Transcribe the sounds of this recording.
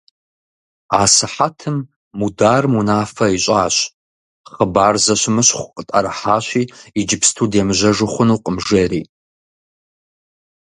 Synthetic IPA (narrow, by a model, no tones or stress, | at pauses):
aːsɨħatʰɨmː | udaːrmunaːfɐiɕʼaːɕ | χəbaːrzɐɕʷmɐɕχʷʊqʼətʼa̰ɾɨħaːɕʷiːid͡ʒɪpʰstʰuːdemɨʑɐʐɨχʷʊnuːqʼəmʐeːriː